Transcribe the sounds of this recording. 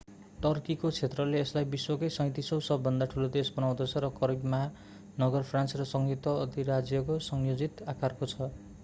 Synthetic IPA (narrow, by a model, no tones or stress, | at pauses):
ʈʌrkikot͡sʰet̪rʌleːslajbiswʌkʌjsʌ̃ŋ̃t̪isʌwsʌbːʌnd̪aʈʰulod̪esbʌnaw̃d̪ot͡sʰʌɾʌkʌɾibma | nʌɡʌrpʰrant͡srʌsʌŋɡit̪wʌʌd̪iɾad͡zjʌkosʌŋjod͡zit̪akarkot͡sʰʌ